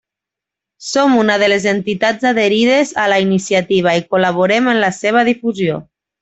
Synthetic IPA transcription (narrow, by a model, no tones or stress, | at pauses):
somunað̞əlezent̪it̪ad͡zaðeɾið̞ezalainisiat̪iβ̞aikulaβ̞oɾemənlaseβ̞að̞ifuzio